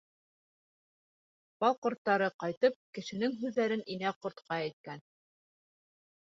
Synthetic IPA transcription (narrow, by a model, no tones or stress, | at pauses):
b̥ɑlˠqŏɾt̪ːɑɾɤqɑjt̪ɤp̚kɘ̆ʃɘ̆nɘŋɦʉðːæɾɘninæqŏɾt̪qʰɑæt̪̚kæn